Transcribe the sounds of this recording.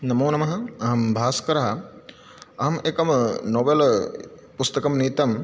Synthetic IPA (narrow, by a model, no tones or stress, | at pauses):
nɐmoːnɐmɐɦɐɐɦɐmbʱaːskɐɾɐɦɐ | ɐɦɐmeːkɐmnoːʋel | pust̪ɐkɐmniːt̪ɐm